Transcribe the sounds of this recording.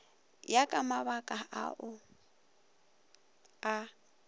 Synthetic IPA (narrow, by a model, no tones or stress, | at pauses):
jakʼamaβakʼaʔa̰ʔʊ | a